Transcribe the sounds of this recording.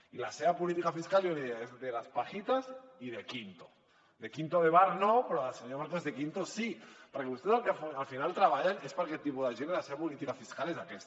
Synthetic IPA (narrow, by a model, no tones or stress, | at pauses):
ila̰seapolit̪ikafiskaljoniezðelaspaxit̪asiðe̞kint̪o̥ | ðe̞kint̪oðeβaɾnõpeɾoaseɲomaɾt̪oezðekint̪osipaɾakeust̪esalkalfinalt̪ɾaβaʎenespaɾaket̪ipoðaʒenelaseapolit̪ikafiskalesakes